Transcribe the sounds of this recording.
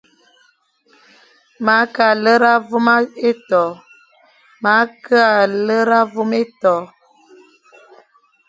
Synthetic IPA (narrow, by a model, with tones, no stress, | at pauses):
ma˨˦ka˨lə˦ɾa˦vu˦ma˦e˦tɔ˨ | ma˨˦kə˦a˨lə˦ɾa˦vu˦me˦tɔ˨